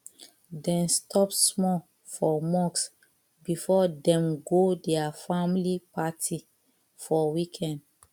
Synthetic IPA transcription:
dɛ̃nstʰɔpsmɔ | fɔmɔks | bifɔdɛ̃mɡodɛafamlipatʰi | fɔwikʰɛ̃nd

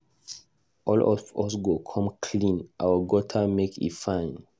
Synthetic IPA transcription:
ʔɔlɔ̰vɔs̬ɡokʰɔ̃mkʰlĩnʔa̰wəɡɔtʰamekḭtfãɪ̃n

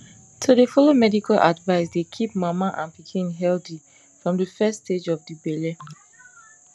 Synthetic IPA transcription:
tʰudefɔlomɛdikalʔa̰dvaɪsdekʰip̚mamaʔãnpikʰĩnɦɛldi | fɹɔ̃mdəfɛstːted͡ʒɔfdibɛle

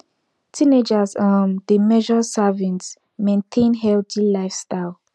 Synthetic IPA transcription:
tʰĩned͡ʒazɔndəmɛʒɔsavĩnt | mẽntʰẽnɦɛlθilaɪfstaɪlˠ

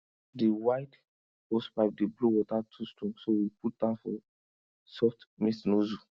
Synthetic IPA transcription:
diwaɪd | ospaɪp̚dibluwɔtatʰustʰɔ̃ŋsowiput̚dafɔ | sɔftmisnozu

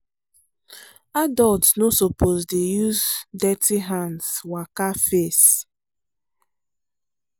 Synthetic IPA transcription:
adɔltsnosopozdejuzdɛtiɦãnswakafes

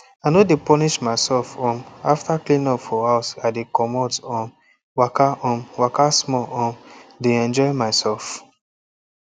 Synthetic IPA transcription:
aɪnodepɔniʃmaɪsɛlfɔ̃maftaklĩnɔpfɔhaʊsadekɔmɔtɔ̃m | wakaʔɔ̃mwakasmɔɔ̃mdeɛ̃nd͡ʒɔɪmaɪsɛlf

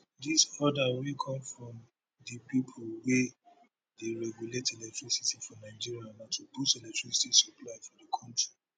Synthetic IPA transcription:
disɔdawikʰɔ̃mfɹɔ̃m | dipipʰolwe | deɹɛɡjuletelɛk̚tɹisitifɔ̃naɪd͡ʒiɹianatubustelɛk̚tɹ̥isi̥tisu̥pʰlaɪfɔdəkʰɔ̃ntɹi

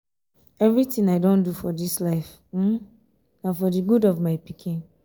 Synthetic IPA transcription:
ɛvɹitĩŋaɪdõndufɔdislaɪf̩ | nafɔdiɡudɔvmaɪpikʰĩn

